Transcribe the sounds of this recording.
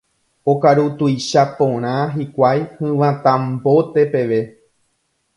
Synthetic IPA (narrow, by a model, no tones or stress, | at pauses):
okaɾut̪ujʃapõɾ̃ãɦikʷajhɨ̃ʋãt̪ãmbo̞t̪e̞pe̞ʋe̞